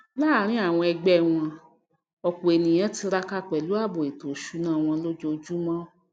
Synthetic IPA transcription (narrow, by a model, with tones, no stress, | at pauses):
la˦ɾ̃ĩ˨˦a˦˨w̃ɔ̃˧ɛ˧ɡ͡bɛ˦˨w̃ɔ̃˧ | ɔ˧k͡po˨e˨nĩ˨j̃ã˦ti˧ɾa˧ka˦k͡pɛ˨lu˨˦a˦˨bo˨e˨to˨ʃu˨˦nãː˦˨w̃ɔ̃˧lo˦d͡ʒo˧d͡ʒu˦mɔ̃˦